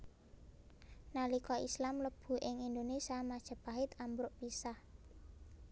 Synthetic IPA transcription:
nalikɔislamləb̥ṳʔɪŋind̪onesamad̥ʒ̥ə̤b̥aɦɪt̪ambɾʊʔpisah

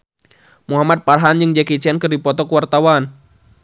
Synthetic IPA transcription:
muɦamat̪̚parɦand͡ʒɨŋd͡ʒakit͡ʃiankɨrdipɔt̪ɔkəwart̪awan

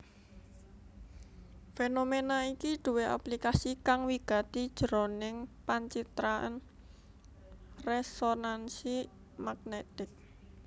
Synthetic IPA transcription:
fenomenaikiɖ̪̥ṳweʔa̰plikasikaŋwiɡ̥ä̤t̪id̥ʒ̥ɾonɪŋpaɲt͡ʃit̪ɾaə̰n | resonansi | maɡ̥net̪ɪk̚

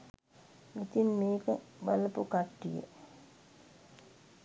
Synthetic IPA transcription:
it̪inmeːkəʋələpukaʈːijə̰

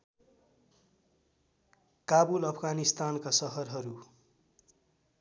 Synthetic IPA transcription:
kabulʌpʰɡanist̪ankasʌɦʌrɦʌɾu

